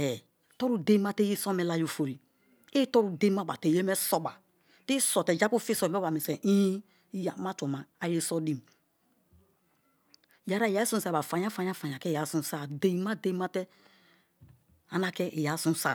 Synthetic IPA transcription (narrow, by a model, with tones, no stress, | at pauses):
ɛ˨ | tɔ˦ɾu˨de˦ma˦tɛ˦ji˦sɔ˦mɛ˨la˦jo˨fo˨ɾi˨ | i˦tɔ˦ɾu˨de˦ma˦ba˨te˨je˦mɛ˦sɔ˦ba˨ | ti˦sɔ˨tɛ˨d͡ʒa˦ku˦fi˦sɔ˨˦ɔ˦ba˨me˨sɛ˨ʔi˦ | ja˨˦ma˦tɔ˨ma˨a˨je˦sɔ˦di˨m˨ | ja˨˦ɾa˦˨ja˨˦i˦sũ˦sa˦˨ba˨fa˨ɲ˦a˦fa˨ɲ˦a˦fa˨ɲ˨a˨kɛ˦˨ja˨˦sũ˦˨sa˨de˨ma˦de˦ma˦tɛ˦ | a˨na˨kɛ˦ʔe˨ja˨˦sũ˦sa˨